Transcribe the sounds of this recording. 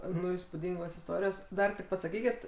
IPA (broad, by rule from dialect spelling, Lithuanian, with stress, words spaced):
ˈnʊ iːspuːˈdʲɪŋɡoːs ɪsˈtoːrʲɪjoːs ˈdɐr tʲɪk pɐsɐˈkʲiːkʲɪt